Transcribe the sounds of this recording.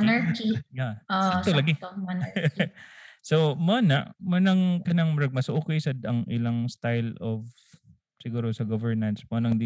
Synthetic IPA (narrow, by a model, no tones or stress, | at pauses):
nɛkijaʔoʔt̪olɐɡɪɐn | somɐnɐʔmɐnɐŋkɐnɐŋmɾɐɡ̚mɐsʊʔukɪjsɐd̪ɐŋʔɪlaŋst̪ajlov | sɪɡuːɾosɐɡovɛɹnɐnsmonɐŋd̪i